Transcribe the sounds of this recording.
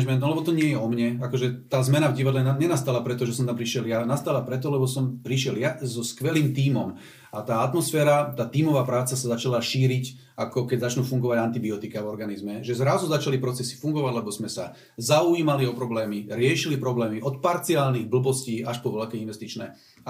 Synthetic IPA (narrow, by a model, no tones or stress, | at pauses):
d͡ʒmɛnt̪lɛbɔt̪ɔɲɪɛjɛɔmɲɛakɔʒɛt̪aːzmɛnavɟiʋad̪lɛnaɲɛnast̪alapɾɛt̪ɔʒɛsɔmt̪ampɾiʃɪɛljanast̪aːlapɾɛt̪ɔlɛbɔsɔmpɾiʃɪɛljazɔskʋɛliːmt̪iːmɔm | at̪aːat̪mɔsfɛːɾat̪aːt̪iːmɔʋaːpɾaːt͡sasazat͡ʃalaʃiːɾic | akɔkɛɟzat͡ʃnuːfuŋɡɔʋaɟant̪ibiɔt̪ikavɔɾɡanizmɛʒɛzɾazuzat͡ʃalipɾɔt͡sɛsi̥fuŋɡɔʋaɟlɛbɔzmɛsa | zauiːmaliɔpɾɔblɛːmiɾɪɛʃilipɾɔblɛːmiʔɔt̪paɾt͡siaːlniɣbl̩bɔsciːaʃpɔʋɛʎkɛinʋɛst̪it͡ʃnɛ̰ː